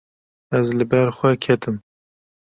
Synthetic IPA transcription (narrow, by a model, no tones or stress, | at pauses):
ɛzlɨbɛɾxʷɛkʰɛt̪ɨm